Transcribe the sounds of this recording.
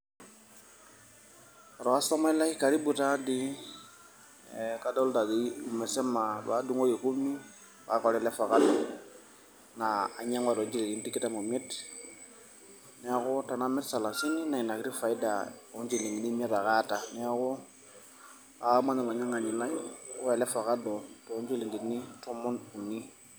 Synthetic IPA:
a˨ɾɔ˨wa˦sa˦ma˦la˦i˦ka˨ɾi˦bu˨ta˦di˦ | ɛ˨ka˦do˦lta˨ɡi˨˦u˨mɛ˨sɛ˦ma˨ba̰˨˦du˦ŋo˦je˨ku˦mi˦ | wa̰˨˦kɔ˨ɾɛ˦lɛ˦fa˨ka˦lɛ˦ | naː˨ɲa˦ŋwa˨ɾo˨ɲd͡ʒi˨lɡi˨n˦ti˦ki˦ta˦mo˨mi˦t | nɛ˨˦a˨kʊ˦ta˨na˦mɛ˦tsa˨la˨si˦ni˦na˨i˨na˨ki˦ɾi˦fa˨i˦da˨o˦ɲd͡ʒi˦˨li˨ŋi˨ni˦m˦ɛ˦ɾa˨ka˦ta˨nɛ˦a˦kɔ˦ | a˨˦ma˦na˨la˨ɲa˦ŋa˨ɲi˨la˦jkɛ˨lɛ˦fa˨ka˦dɔ˨tɔ˨˦ɲd͡ʒi˦li˨ŋɡi˨tni˦tɔ˦mɔ˦nu˨ni˦

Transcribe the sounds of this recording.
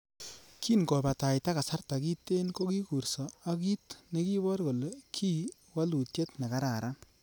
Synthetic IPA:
kʰiː˦nko˨ba˨ta˨i˨ta˦ka˨sa˦rta˨ki˦tːe˦nko˦ki˦ku˨ɾsɔ˨a˦ki˦tne˨˦ki˦bɔ˦ɾko˨le˨kʰi˦ | wa˦lu˨tje˦tna˨ka˦ɾa˨ɾa˦n

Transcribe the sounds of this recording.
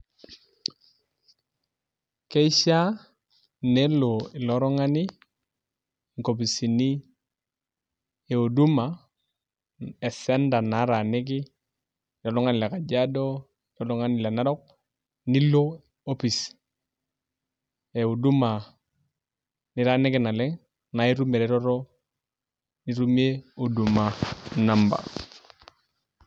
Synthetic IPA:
ke˦i˦ʃa˦ | ne˦lo˨i˨lɔ˦ɾɔ˦ŋa˦ni˦ | ŋko˨p̬i˨si˨ni˦ | e˨o˨du˦ma˨ | ɛ˨sɛ˦nda˨na˨˦ɾa˨ni˦k̬i˦ | ilɔ˨lɔ˦ŋa˦ni˨lɛ˨ka˨ɟa˦do˦ | lɔ˨lu˦ŋa˦nɪ˨le˨na˦ɾɔ˦k̚ | ni˦lo˦ | o˦pi˨s | e˨o˨du˦ma˨ | ni˨ɾa˦nɪ˦kɪ˨na˨lɛ˦ŋ | na˨e˦ɾu˦me˨ɾɛ˨ɾɔ˦ɾo˦ | ni˦ɾu˦me˦o˨du˨ma˨namba̰˨

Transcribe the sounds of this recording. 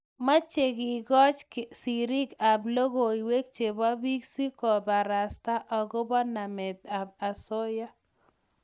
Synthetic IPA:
ma˦t͡ʃe˨ɡɪ˨ɡɔ˦t͡ʃsi˨ɾi˦ka˨blo˦ɡo˨i˨we˦k̚t͡ʃe˨ba˦bi˦ksi˦kɔ˨ba˨ɾa˨sta˦ʔɔ˨ɡo˦ba˦na˨mɛ˨d̪a˨a˨so˦ja˦

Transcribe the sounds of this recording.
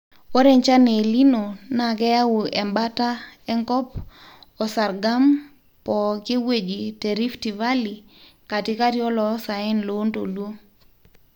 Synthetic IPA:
o˦ɾe˦˨ɲt͡ʃa˦ne˨li˦no˨na˨kɛ˦ja˦u˨ɛ˨mba˦ta˦ɛ˦ŋkɔ˦p̚ | ɔ˨sa˨ɾɡa˦m | pɔ˨ke˦we˨d͡ʒi˨te˨ɾi˦fti˨va˦li˨ka˨ti˦ka˦tjɔ˦lɔ˨˦sa˨ɛ˦nlo˨˦nto̰˨lwo˦

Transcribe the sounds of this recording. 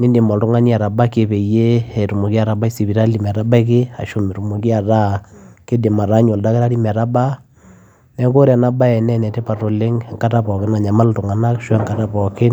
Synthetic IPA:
ni˦ndi˨mɔ˨ltʊ˦ŋa˦ni˦a˨ɾa˨ba˦ke˨pe˨je˦e˨tu˨mo˨ki˦a˨ɾa˨ba˦i˦si˨pi˨ɾa˦li˨mɛ˨ɾa˦ba˦i˦kɪ˦a̰˨ʃo˨me˨ɾu˨mu˨ki˦a˨ɾa˦ke˦de˨ma˨ɾa˦ɲo˨lda˦kɪ˦ɾa˦ɾi˦mɛ˨ɾa˦ba˦ | nɛ˦ko˦ɾa˨na˦ba˦ɛ˨nɛ˦nɛ˨te˦pa˨to˨le˦ŋ˨ŋka˦ta˦pɔ˨kɪ˦na˨ɲa˨ma˦ltʊ˨ŋa˨na˦kʃwɛ˦ŋka˨ta˦pɔ˨kɪ˦n

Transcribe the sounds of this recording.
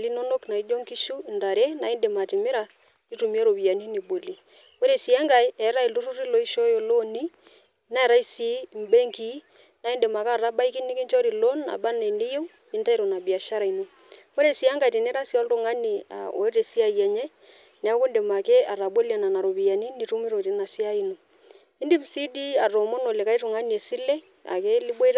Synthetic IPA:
li˦no˦no˦kna˨i˦d͡ʒo˦ŋki˦ʃu˦˨nda˨ɾe˦na˨ɪ˦nde˨ma˨tɪ˨mɪ˦ɾa˨ | ti˦tu˨mi˦a˦ɾo˨bi˨a˨ni˦ni˨bo˨li˨ | ko˦ɾe˨si˨a˦ŋɡa˨jɛ˨˦ɾa˦i˨ltu˦ɾu˦ɾi˦lo˨i˦ʃo˦jo˨lo˦ni˦ | na˦ɛ˨ɾa˦i˦si˨˦m̩˨be˦ŋki˦ | na˨˦i˦nde˨ma˨kaː˦˨ra˦ba˦i˦kɪ˦nɪ˦kɪ˦nt͡ʃɔ˦ɾi˨lo˦na̰˨ba˦ne˨nɪ˦je˦w | i˦nta˦i˦ɾo˨na˨bi˨a˨ʃa˦ɾa˨i˨no˦ | ko˦ɾe˨si˨˦a˦ŋɡa˨jti˨ne˦ɾa˦si˦a˦lto˦˨ŋa˦ni˨a̰˨o̰˨˦te˨si˦a˦˨jɛ˨ɲɛ˦ | nɛ˨a˨˦ku˦nde˨ma˨ke˦a˨ra˨ɓe˦la˨na˨na˨ɾo˨βi˨ja˨ni˦ni˨ɾu˦mi˦ɾo˨ti˨na˨si˦a˦i˦no˨ | i˦ndi˦psi˦di˦a˨ro˨mo˦no˨le˨ka˦i˦ɾu˨ŋa˦ni˨e˨si˦le˦ | a̰˨ke˦li˦ɓwe˦ɾ

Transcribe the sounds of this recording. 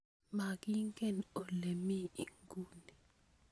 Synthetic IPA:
ma˨ɡi˦ŋɡe˦˨no˨le˨mi˦i˨ŋɡu˦ni˨

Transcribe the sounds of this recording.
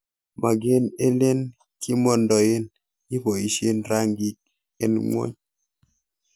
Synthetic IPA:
ma˨ɡɪ˦ne˦le˦n | kʰɪ˦mɔ˦ndɔ˨je˦n | ɲɪ˦pɔ˨i˨ʃe˦nɾa˦ŋɡi˦k̚ | ɛ˦nŋwo̰˦ɲ

